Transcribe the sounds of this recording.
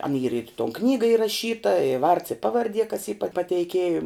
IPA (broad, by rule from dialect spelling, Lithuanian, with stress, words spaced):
ɐn iːr ɪr ɪ toːn ˈknʲiːɡɐ ɪrɐˈʃʲiːtɐ ɪ ʋɐrts ɪ ˈpɑːʋɐrʲdʲiɛ kɐs iː pɐ pɐtʲɛɪˈkʲeːjʊm